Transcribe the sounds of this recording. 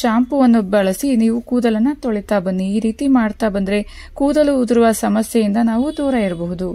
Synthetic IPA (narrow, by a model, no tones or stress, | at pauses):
ʃaːmpuʋɐnːubɐɭɐsiniːʋukuːd̪ɐlɐnːɐt̪oɭit̪aːbɐnːiːɾiːt̪imaːɖt̪aːbɐnd̪ɐɾe̞ | kuːd̪ɐluːd̪iɾuʋɐsɐmɐsjɛjind̪ɐnaːʋud̪ɔːɾɐiɾɐbɔɦud̪u